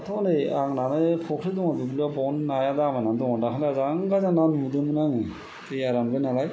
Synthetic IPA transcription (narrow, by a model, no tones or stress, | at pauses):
atʰɔnɯjaŋnanɯpʰɔkʰɾɯdɔŋabɯbilɔbɔnnajadamanandɔŋɔdakʰalazaŋɡazananmudɯmɯnaŋɯ | tejaɾanbɯnalaj